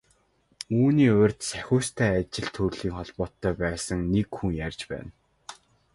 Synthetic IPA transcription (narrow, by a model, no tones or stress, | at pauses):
uːniːʊrʲt̪sæxʲʊːst̪ʰæːat͡ɕɪ̆ɮt̪ʰɵrɮiːŋχɔɮpɔːt̪ːœːpæːsə̆ŋnekxuŋjarʲt͡ɕpæ̰ːn